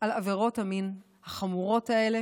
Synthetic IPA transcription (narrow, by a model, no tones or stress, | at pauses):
alaveʁo̞thamin | haχamuʁo̞thae̞le̞